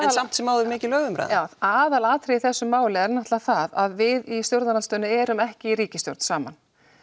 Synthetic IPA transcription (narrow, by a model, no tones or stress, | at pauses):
alsam̥t̪sɛmːaːwðʏɾmɪːcɪlœːɣvʏmɾa̰ðaːwaːðalaːt̪ʰɾɪiθɛsːʏmːaːwlɪɛɾnaht̪laθaðaðvɪðist̪jowɾðanalst̪œːnʏɛːɾʏmɛhcɪiɾiːcɪst̪jo̰ɾt̪nsaːma̰n